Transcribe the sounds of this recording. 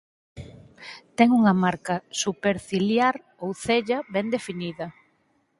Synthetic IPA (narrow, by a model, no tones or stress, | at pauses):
t̪ɛŋuŋɐmaɾkɐsupeɾθiljaɾ | owθeʎɐβɛnd̪efiniðɐ